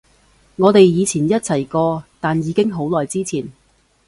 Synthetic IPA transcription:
ŋɔː˨˧t̪e˨jjiː˨˧t͡sʰiː˨˩njɐ˥t̚t͡sʰɐ˨˩jkɔː˧t̪aː˨njiː˨˧kɪ˥ŋɦo˨˥wlɔː˨˩jt͡siː˥t͡sʰiː˨˩n

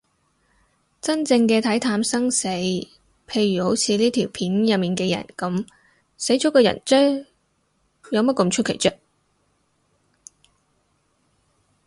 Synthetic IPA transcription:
t͡sɐ˥nt͡sɪ˧ŋkɛː˧t̪ʰɐ˨˥jt̪ʰaː˧msɐ˥ŋse˨˥j | pʰe˧jɥyː˨˩ho˨˥wt͡sʰiː˨˧liː˥t̪ʰiː˨˩wpʰiː˨˥njɐ˨p̚miː˨nkɛː˧jɐ̰˨˩nkɐ˨˥m | se˨˥jt͡ʃɔ˨˥kɔː˧jɐ̰˨˩nt͡ʃœː˥ŋ | jɐ˨˧wmɐ˥t̚kɐ˧mt͡ʃʰɵ˥kʰe˨˩jt͡ʃœː˧k̚

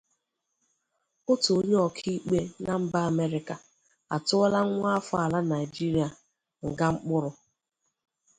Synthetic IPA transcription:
ʊ˦to˨o˦ɲe˦ɔ˨kʰi˦i˦k͡pe˦na˦m̩˦ba˦a˨me˦ɾɪ˨˦ka˨ | a̰˨tʊ˦ɔ˦la˦ŋ̩˦ŋʷ˦a˦fʊ˦a˨la˦na˨ɪ˨d͡ʒi˦ɾi˨˦a˨ | ŋ̩˨ɡa˦ŋ͡m̩˦k͡pʊ˦ɾʊ˨

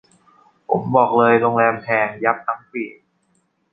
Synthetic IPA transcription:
pʰo̰˨˩˦mbɔː˨˩k̚lɤː˧jɾo˧ŋlɛː˧mhʰɛː˧ŋja˦˥p̚t̪ʰa˦˥ŋpiː˨˩

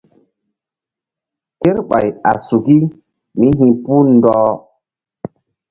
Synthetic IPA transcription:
ke˦ɾɓa̰˨ja̰˨su˨ki˦ | mi˦ɦĩ˦pu˦ndɔː˦

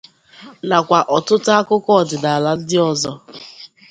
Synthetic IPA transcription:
na˨kʷa˨ʔɔ˨tʊ˦ta˦kʊ˦kɔ˦˨dɪ˨da˨la˦dɪ˦ɔ˨zɔ˦

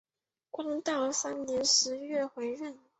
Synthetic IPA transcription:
kwɑ˥ŋt̪ɑ˥˩sa˥nnjɛ˧˥nʂɻ̩˧˥ɥɛ˥˩xwe˧˥ɪɻə˥˩n

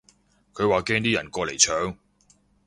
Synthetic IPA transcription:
kʰɵ˨˧ɥwaː˨kɛː˥ŋt̪iː˥jɐ̰˨˩nkɔː˧le˨˩jt͡ʃʰœː˨˧ŋ

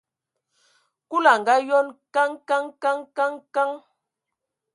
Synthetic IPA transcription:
ku˦la˨ŋ̩˨ɡa˦jɔ˦nka˦ŋka˦ŋka˦ŋka˦ŋka˦ŋ

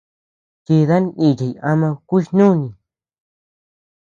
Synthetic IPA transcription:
t͡ʃi˧ða˦nĩ˧˨t͡ʃi˨ja˧mã˧kʷu˦ʃnũ˦˧nĩ˧

